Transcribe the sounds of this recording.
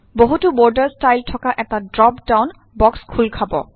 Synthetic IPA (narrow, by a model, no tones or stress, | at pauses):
boɦutubɔɹdəɹstajltʰɔkaʔɛtadɹɔpdawn | bɔkskʰulkʰabɔ̰